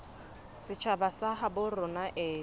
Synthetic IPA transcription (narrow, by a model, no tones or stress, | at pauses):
sɪt͡ʃʰabasaɦabʊrʊnaʔeː